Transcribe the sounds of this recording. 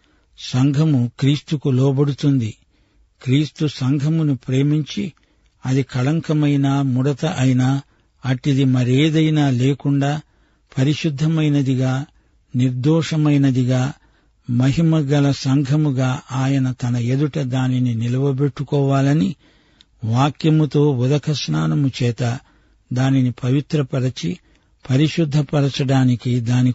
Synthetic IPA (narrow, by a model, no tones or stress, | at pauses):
sɐŋɡʱɐmukɾiːst̪ukulɔːbɐɽut̪und̪i | kɾiːst̪usɐŋɡʱɐmunupɾe̞ːmiɲt͡ʃi | ɐd̪ikʰɐɭɐŋkɐmɐjnaːmuɽɐt̪ɐʔɐjnaː | ɐʈid̪imɐɾeːd̪ɐjnaːleːkuɳɖaː | pʰɐɾiʃud̪ʱːɐmɐjnɐd̪iɡaː | niɾd̪ɔːʂɐmɐjnɐd̪iɡaː | mɐɦimɐɡɐlɐsɐŋɡʱɐmuɡaːʔaːjɐnɐt̪ɐnɐed̪uʈɐd̪aːnininilɐʋɐbeʈːukɔːʋaːlɐni | ʋaːkjɐmut̪o̞ːud̪ɐkʰɐsnaːnɐmut͡ʃɛːt̪ɐ | d̪aːninipɐʋit̪ɾɐpɐɽɐt͡ʃi | pɐɾiʃud̪ʱːɐpɐɾɐt͡ʃɐɽaːnikid̪aːni